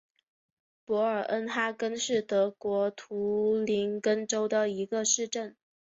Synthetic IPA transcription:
pwɔ˧˥ə˞˨˩ʔə˥nt̪ʰa˥kə˥nʂɻ̩˥˩t̪ɤ˧˥kwɔ˧˥t̪ʰu˧˥li˧˥nkə˥nʈ͡ʂo˥ʊd̪ə˨i˧˥ɡə˧ʂɻ̩˥˧ʈ͡ʂə˥˩n

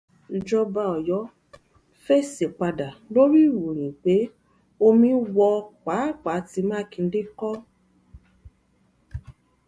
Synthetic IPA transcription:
d͡ʒɔ˧ba˧ɔ˨jɔ˨˦ | fe˦se˨k͡pa˧da˨lo˦ɾi˦˨wu˨ɾ̃ĩ˨k͡pe˨˦ | o˧mĩ˦wɔ˧k͡pa˨˦˨k͡pa˨˦ti˧mãː˦kĩ˧n̩˦de˦kɔ˦

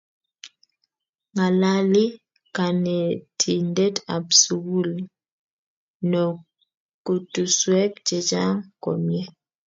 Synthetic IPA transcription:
ŋa˨la˦li˦ | ka˨nɛ˨tʰi˨nde˦ta̰˨bsu˨ɡu˦li˦ | nɔ˨ | ku˨tu˨swɛ˦kt͡ʃɛ˨d͡ʒa˦ŋko̰˨mjɛ˦

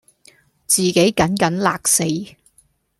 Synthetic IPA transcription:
t͡siː˨˩ke˨˥jkɐ˨˥nkɐ˨˥nlaː˨˧k̚se˧j

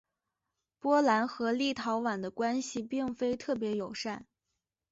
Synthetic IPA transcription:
pwɔ˥la˧˥nxɤ˧˥li˥˩t̪ʰɑ˧˥ʊwa˨˩nd̪ə˦kwa˥nɕi˨pi˥˩ŋfe˥ɪt̪ʰɤ˥˩p̬jɛ˧˥jo˨˩ʊʂa˥˩n

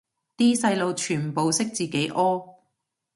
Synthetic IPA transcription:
t̪iː˥sɐ˧jlo˨˧wt͡ʃʰyː˨˩npo˨wsɪ˥k̚t͡siː˨˩ke˨˥jʔɔː˥

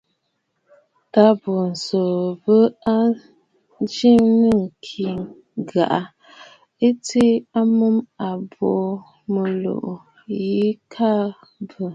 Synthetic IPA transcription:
ta˦bo˨n̩˨so˨bə˦a˦ | d͡ʒi˦ŋnə˦˨ŋ̩˨kʰi˨ŋ | ɡa̰˨ʔa˦ | e˦te˦a˦mə˦ma˨bo˨ | mə˨lo̰˨ʔ | ji˦kʰa˦ | bə˦˨

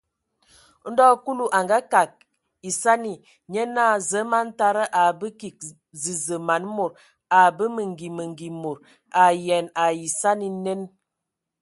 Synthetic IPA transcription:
n̩˦dɔ˦ku˦lu˨ʔa˨ŋɡa˦ka˨k̚ | i˨sa˦ni˨ | ɲə˦naː˦˨zə˨˦ma˦n˦ta˦ɾə˦ʔa˨bə˦ki˨k̚ | zi˨zə˨ma˨˦nmo˨ɾ | a˨bə˦mə˨ŋ˨ɡi˨mə˨ŋ˨ɡi˨mo˨ɾ | a˨jɛ˨na˨ji˨sa˦ni˦ne˦n

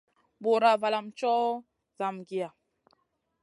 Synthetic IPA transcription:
bo˨ɾa˨va˨la˨mt͡ʃɔ˦ | za˨mɡi˨a˨

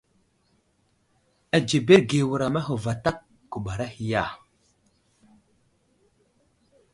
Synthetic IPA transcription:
a˨d͡ʒe˨be˦ɾɡe˨wu˨ɾa˨ma˦ɦu˨va˨ta˦k̚ | ɡ̥u˨ɓa˨ɾa˦hi˨ja˦˨

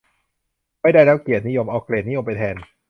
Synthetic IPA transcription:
maː˥˩jdaː˥˩jlɛː˦˥˩wki˨˩ət̪̚ni˦˥jo˧mʔaː˧wkleː˧˨˩t̪̚ni˦˥jo˧mpa˧jt̪ʰɛː˧n

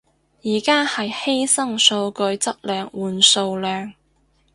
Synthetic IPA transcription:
jiː˨˩kaː˥hɐ˨jhe˥jsɐ˥ŋso˧wkɵ˧ɥt͡sɐ˥k̚lœː˨ŋwuː˨˩nso˧wlœː˨˧ŋ

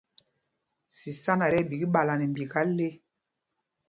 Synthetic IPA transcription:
si˨sa˦na˨ɾɛ˦˨bi˨ɡi˦ɓa˨la˨nɛ˨m˨bi˨ka˦le˦

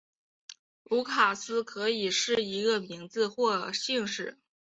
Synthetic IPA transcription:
u˧˥kʰa˨˩sɹ̩˥kʰɤ˧˥i˨˩ʂɻ̩˥˩i˧˥ɡə˧mi˧˥ŋt͡sɹ̩˧xwɔ˥˧ɕi˥˧ŋʂɻ̩˥˩

